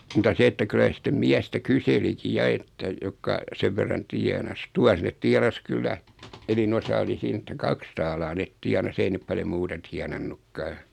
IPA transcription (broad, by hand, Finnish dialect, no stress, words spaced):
mutɑ se etːæ kylæ se sĭtːem miæstæ kyseliki jɑ etːæ jokːɑ seʋ ʋerːɑn tiɛnɑs tuɑs net tiɑnɑs kylːæ enin osɑ oli siːn etːæ kɑks tɑːlɑː net tiɑnɑs ei nep pɑljo muːtɑ tiɑnɑnːukːɑː